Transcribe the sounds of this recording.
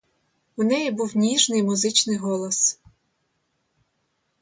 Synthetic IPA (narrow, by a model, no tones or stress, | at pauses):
unɛjibuwnʲiʒnɪjmʊzɪt͡ʃnɪjɦɔlˠɔs